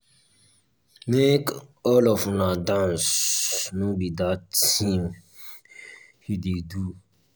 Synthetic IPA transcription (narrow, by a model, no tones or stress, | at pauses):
mekɔlɔfnadãnsnobidatĩm | hidedu